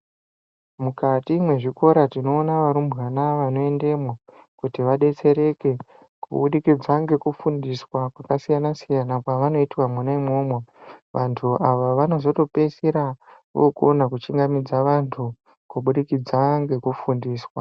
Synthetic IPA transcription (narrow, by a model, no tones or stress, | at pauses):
mukatimwe̞ʐiko̞ɾatino̞ːnaʋaɾumɣanaʋano̞e̞nde̞mwakutiʋaɗe̞t͡se̞ɾe̞ke̞ | kṵɓuɗikid͡zaŋɡe̞kufundiswakwakasijanasijanakwaʋano̞itiwamunaimo̞ːmweʋʔantʰuʔaʋaʋano̞zo̞to̞pesiɾaʋo̰konakut͡ʃiŋɡamid͡zaʋantʰu | kuɓuɗikid͡zaŋɡe̞kufundiːswa